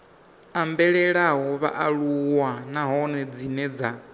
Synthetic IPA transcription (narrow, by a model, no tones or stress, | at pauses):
ambɛɺɛɺaɦɔβa̰ʔaɺuwanaɦɔnɛd͡zinɛd͡za